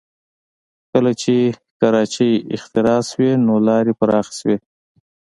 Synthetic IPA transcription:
kəlat͡ʃekaɾɑt͡ʃəjɪ̰xt̪ɪɾɑswenolɑɾepaɾɑxi̥swe

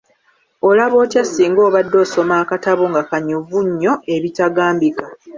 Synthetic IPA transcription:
o̞laβo̞ːtjasiːŋɡo̞ːβadːo̞ːso̞maːkataβoŋɡakaɲuvuɲːo̞e̞βitaɡaːmbika

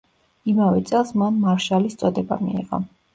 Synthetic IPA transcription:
imavɛt̪sʼɛlˠsmanmaɾʃalist̪sʼɔd̪ɛba̰mḭḭʁɔ̰

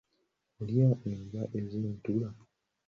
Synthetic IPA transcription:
oljaʔeŋɡaʔezintula

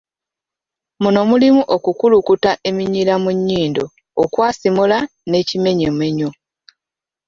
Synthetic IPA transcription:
muno̞mulimuʔokukulukutaʔe̞miɲilamuɲːiːndo̞ː | kwaːsimula | ne̞ːcime̞ɲe̞mwe̞ɲo

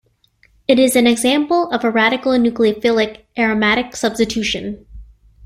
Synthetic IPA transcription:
ɨɾɪzɨ̃nɨɡzæ̃mpl̩ˠʌvəɹæɾɨkl̩ˠnʉkliɨfɪlˠɨkʔɛɹɨmæɾɨksʌb̥stɨtʰʉʃɨ̰̃n

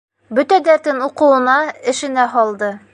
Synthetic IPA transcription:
bɵt̪æd̪æɾt̪ɘnuqɤ̆wɤ̆nɑɘ̆ʃɘ̆næɦɒlˠd̪ɤ

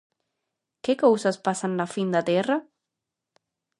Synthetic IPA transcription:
kekowsaspasanːafind̪at̪ɛra

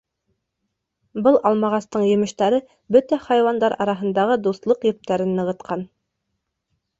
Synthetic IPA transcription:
bɤlˠʔɑlˠmɑʁɑst̪ɤɴjɘ̆mɘ̆ʃt̪æɾɘ | bɵt̪æχɑjwɑnd̪ɑɾʔɑ̰ɾɑɦɤ̆nd̪ɑʁɤd̪uslˠɤqjɵ̆p̚t̪æɾɘnːɤ̆ʁɤ̆t̪qʰɑn

